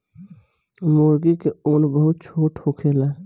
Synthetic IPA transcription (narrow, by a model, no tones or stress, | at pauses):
moːɾɡikeoːnbəɦʊt̪̚t͡ʃʰoːʈhokʰeːlaː